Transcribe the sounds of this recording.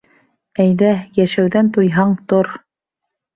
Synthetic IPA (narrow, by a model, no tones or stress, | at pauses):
æjðæjæʃæwðænt̪ujɦɑɴt̪oɾ